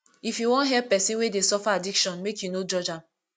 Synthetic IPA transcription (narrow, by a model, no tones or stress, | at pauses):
ifjuwɔ̃nɦɛpɛsĩnwedesɔfaadikʃɔ̃nmekjunod͡ʒɔd͡ʒãm